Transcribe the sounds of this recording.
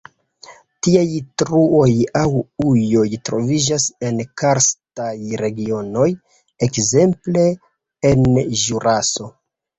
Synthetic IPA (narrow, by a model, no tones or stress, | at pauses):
tiajtɾuo̞jawujo̞jtɾo̞vid͡ʒase̞nkaɾstajɾe̞ɡio̞no̞j | ekze̞mple̞ | enʒuɾʔaso̞